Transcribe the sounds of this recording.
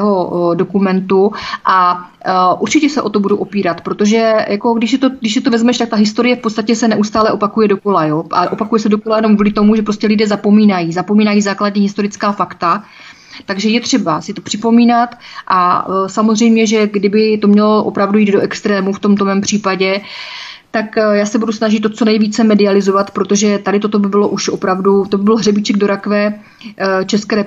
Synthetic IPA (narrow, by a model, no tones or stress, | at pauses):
ɦo̞do̞kumɛnt̪uʔa | ʔuɾt͡ʃɪcɛsɛʔo̞t̪o̞buduʔo̞piːɾat̪pɾot̪o̞ʒɛjʔako̞ɡdɪʃsɛt̪oɡdɪʃsɛt̪ovɛzmɛʃt̪ak̚t̪aɦɪst̪o̞ɾɪjɛfpott͡sst̪acɛsɛnɛʔust̪aːlɛʔo̞pakujɛdoko̞lajoːʔa̰ʔo̞pakujɛsɛdo̞kolajɛno̞mvulɪt̪o̞muʒɛpɾo̞scɛlɪdɛːzapomiːnajiːzapo̞miːnajiːzaːkladɲiːɦɪst̪o̞ɾɪt͡skaːfakt̪a | t̪aɡʒɛjɛt̪r̝̥ɛbasɪt̪o̞pr̝̥ɪpo̞miːnat̪ʔasamozr̝ɛjmɲɛʒɛɡdɪbɪt̪o̞mɲɛloʔo̞̰pɾavdujiːd̪do̞ʔɛkst̪ɾɛːmuft̪o̞mt̪omɛmpr̝̥iːpaɟɛ | t̪akjaːsɛbudusnaʒɪt̪ːot͡so̞nɛjviːt͡sɛmɛdɪalɪzo̞vat̪pɾot̪o̞ʒɛt̪adɪt̪ot̪o̞bɪbɪlo̞ʔuʃʔo̞pɾavdut̪obɪbɪlɦrɛbɪt͡ʃɛɡdo̞ɾakvɛː | t͡ʃɛskɛːɾɛ